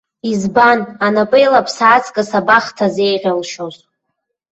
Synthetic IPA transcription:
izbananapʼejlapʰsaːt͡sʰkʼasabaχtʰazejʁʲalʃoz

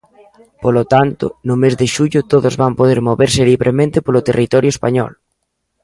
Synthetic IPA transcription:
polot̪ant̪ʊ̰nʊmezðɪʃuʎʊt̪oðʊzβampoðeɾmoβeɾsɪliβɾʔemẽnt̪ɪpolʊt̪erʔit̪ɔɾjʊespaɲɔ̰l

